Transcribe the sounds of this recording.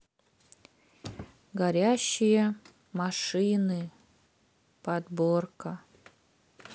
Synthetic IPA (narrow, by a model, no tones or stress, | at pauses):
ɡɐɾʲæɕːɪjə | mɐʂɨnɨ | pɐd̪borkə